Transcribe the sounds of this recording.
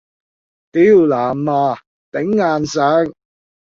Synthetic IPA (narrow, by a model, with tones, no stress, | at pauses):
t̪iː˧˥wlaː˨˩maː˧˩ | t̪ɪ˨˥ŋːaː˨˧˨nsa˨˥ŋ